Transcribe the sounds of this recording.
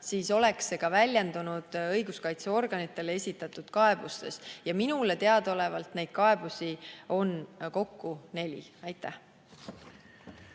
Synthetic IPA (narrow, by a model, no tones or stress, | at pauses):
siːso̞le̞ksːe̞ɡ̥ɑvælʲjend̪unud̪̥ɤjɡ̥uskɑjt̪seo̞rɡ̥ɑnit̪ːˑe̞lee̞sʲit̪ːˑɑt̪ːˑud̪̥kɑe̞b̥ust̪e̞̰sjɑminule̞t̪e̞ɑd̪̥o̞le̞vɑlt̪ne̞jd̪̥̚kɑe̞b̥usʲio̞nko̞kːune̞lʲḭɑjt̪ːˑæh